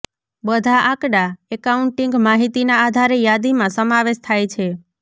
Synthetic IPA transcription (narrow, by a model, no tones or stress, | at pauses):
bəd̪ʱaʔakɽaekauɳʈiŋɡmaɦit̪inaːd̪ʱaɾejad̪imãsəmaʋeʃt̪ʰajt͡ʃʰe